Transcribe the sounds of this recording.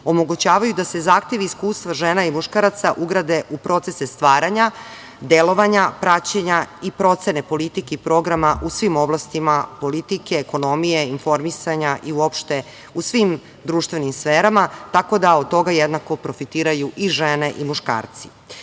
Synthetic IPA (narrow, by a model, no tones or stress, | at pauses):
o̞mo̞ɡut͡ɕaːʋajud̪asezaːxt̪je̞ʋiːskuːst̪ʋaʒeːnaimuʃkaɾat̪saʔuɡɾad̪e̞ʔupɾo̞t̪se̞sest̪ʋaːɾaɲa | d̪elˠo̞ʋaɲapɾat͡ɕeɲaipɾo̞t̪se̞ne̞po̞lit̪ikeipɾo̞ɡɾamaʔusʋimo̞blˠast̪imapo̞lit̪ike̞ːko̞no̞mijeinfo̞ɾmisaɲaʔiuopʃt̪e̞ | usʋim | d̪ɾuːʃt̪ʋe̞nimsfeːɾamat̪ako̞d̪aod̪̚t̪ːo̞ɡajed̪nako̞pɾo̞fit̪iːɾajuʔiʒene̞ʔimuʃka̰ːɾt̪si̥